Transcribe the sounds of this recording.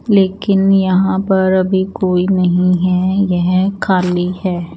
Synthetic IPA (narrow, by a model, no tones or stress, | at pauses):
leːkɪnjɐɦãpɐɾɐbʱikoːinɐɦĩɦɛjɛɦkʰaːlihɛː